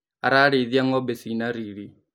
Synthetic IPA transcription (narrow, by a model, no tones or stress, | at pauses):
a̰ɾaɾeðiaŋɔbesinaɾiɾi